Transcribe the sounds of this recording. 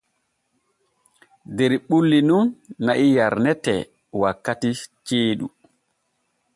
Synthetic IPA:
dɛɾɓulːinunːaʔijaɾnɛtɛ̰ | wakːatit͡ʃeːɗṵ

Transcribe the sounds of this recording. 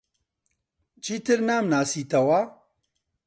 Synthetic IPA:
t͡ʃʰiːt̪ɨɾnaːmnaːsiːt̪ɐwaː

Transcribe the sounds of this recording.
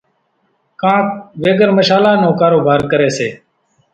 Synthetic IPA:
kãːk̚ʋeːɡəɾməʃaːlaːnõːkaːɾoːbʱaːɾkəɾeːseː

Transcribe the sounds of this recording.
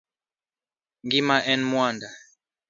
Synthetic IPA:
ŋɡimaʔɛnmwanda

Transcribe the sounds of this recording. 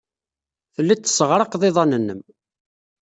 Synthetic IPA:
θəlːæt͡s̪ːsəʁɾˤɑqðˤeðˤɑnənːəm

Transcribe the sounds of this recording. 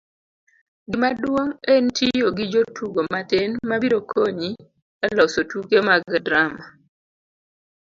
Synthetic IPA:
ɡɪmadwoŋentʰijoɡid͡ʒotʰuɡomatɪnmabiɾokʰoɲi | ɛlɔsotukemaɡdɾama

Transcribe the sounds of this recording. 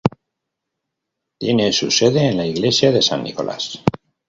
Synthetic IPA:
t̪je̞ne̞suse̞ðe̞ːnlaiɣle̞sjaðe̞sa̰nːḭko̞lʔa̰s

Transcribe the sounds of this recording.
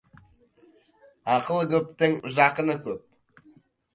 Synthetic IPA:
ɑqəlˠɡʲɵp̚t̪ɪŋʒɑqənəkʲʰɵp̚

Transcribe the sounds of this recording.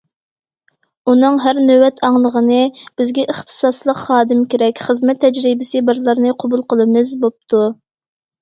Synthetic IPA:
unɨŋɦæɾnøwɛt̪ʰɑŋlˠəʁənɨb̥ɪzɡʲɛʔəχt̪ʰɨ̥sɑslˠəqχɑːd̪ɨmkʲeɾɛkʲχəzmɛt̪ʰːɛd͡ʒɾibɪsɨbɨɾlˠɨɾnɨqʰobulˠqəlˠɨmɨzbop̚t̪ʰu

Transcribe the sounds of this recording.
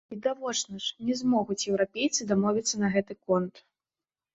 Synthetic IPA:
vʲid̪avɔt͡ʂnɐʂnʲɛzmɔɣut͡sʲjɛwɾapʲejt̪sɨd̪amɔvʲit̪sːɐnɐɣɛt̪ɨkɔnt̪

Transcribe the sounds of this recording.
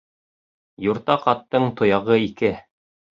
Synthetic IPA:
juɾt̪ɑqɑt̪ːɤɴt̪ŏjɑʁɤikɘ

